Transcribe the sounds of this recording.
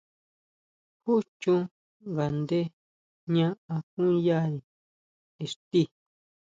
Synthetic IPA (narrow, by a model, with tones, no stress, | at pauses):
hu˦t͡ʃũ˦ | ŋɡa˨nd̪e˦ | ɲã˦ʔã˧kũ˦ja˦˨ni˨ | e˨ʂt̪i˦˨